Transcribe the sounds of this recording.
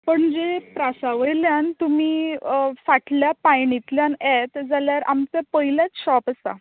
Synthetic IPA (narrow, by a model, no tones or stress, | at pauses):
pəɳd͡zepɾasaʋəjljant̪umiːfaʈljapajɳit̪ljanet̪d͡zaljaɾa̰mt͡sepəɦiljat͡sɕɔpəst̪a̰